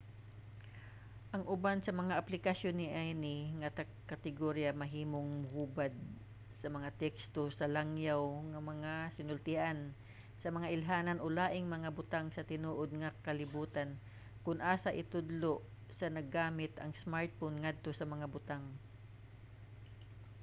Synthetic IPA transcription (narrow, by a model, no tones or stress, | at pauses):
ʔɐŋʔʊbansɐmɐŋaʔɐplɪkɐsjonːɪʔajnɪŋɐt̪ɐ | kɐt̪ɪɡoɾjamɐɦiːmoŋmʊhuːbad̪̚ | sɐmɐŋat̪ɛkst̪osɐlaŋjawŋɐmɐŋasɪnʊlt̪ɪʔan | sɐmɐŋaʔɪlɦaːnɐnʔolaːʔɪŋmɐŋabʊt̪aŋsɐt̪ɪnuːʔod̪̚ŋɐkɐlɪbuːt̪an | kʊnʔaːsɐʔɪt̪ʊd̪loʔsɐnɐɡːaːmɪt̪ʔɐ̰ŋsmaɹt̪̚fonŋad̪̚t̪o̞sɐmɐŋabʊt̪aŋ